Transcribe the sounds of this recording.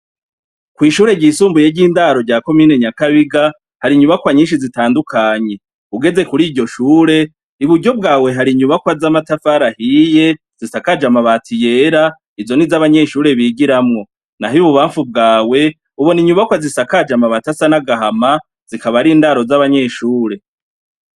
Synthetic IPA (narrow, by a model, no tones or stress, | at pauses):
kwiːʃuːɾe̞ɟiːsuːmbuje̞ɾɟiːndaɾo̞ɾɟaːko̞miːne̞ɲakaβiɡa | haɾiɲuβakwaɲiːnʃizitaːndukʰaɲe̞ | uɡe̞ze̞kuɾiːɾɟo̞ʃuːɾe̞ | iβuɾɟo̞b̚ɡaːwe̞ɦaɾiɲuβakwazamatafaɾahije̞ | z̥isakad͡ʒamaβatʰije̞ːɾa | izo̞nizaβaɲe̞ʃuːɾe̞βiːɡiɾamŋo̞ | naɦiβuβaːɱfub̚ɡaːwe̞ | uβoniɲuβakwazisakad͡ʒamaβatasanaɡahama | z̥ikaβaɾiːndaɾo̞zaβaɲe̞ʃuːɾe̞